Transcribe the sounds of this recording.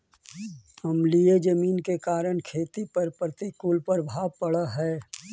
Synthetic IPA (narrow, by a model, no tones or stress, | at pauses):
hɐmlied͡ʒəmiːnkekaːɾəɽ̃kʰeːt̪ipɐɾpɾət̪ikuːlpəɾbʱaːpɐɽəɦɛː